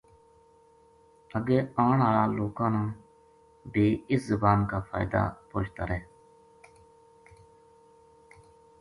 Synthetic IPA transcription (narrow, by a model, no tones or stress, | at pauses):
əɡeːaːɳaːɾaːloːkãːnãː | beːɪszəbaːnkaːfʰa̰ːjɪd̪a̰ːpoːt͡ʃt̪a̰ːɾɛː